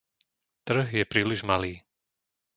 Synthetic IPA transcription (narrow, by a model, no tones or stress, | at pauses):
t̪r̩ɦjɛpɾiːliʒmaliː